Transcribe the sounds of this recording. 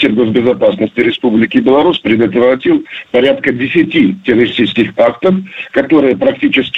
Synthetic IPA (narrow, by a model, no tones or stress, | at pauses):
tʲɪrɡo̞zbʲɪzɐpasnəsʲtʲɪɾʲɪspublʲɪkʲɪbʲɪlˠɐɾuspɾʲɪd̪ət̪vɾɐtʲilˠpɐɾʲat̪kədʲɪsʲɪtʲitʲɪrəɾʲɪsʲt̪ʲit͡ʃskʲɪxakt̪əfkɐt̪o̞ɾɨjəpɾɐktʲit͡ɕɪskʲ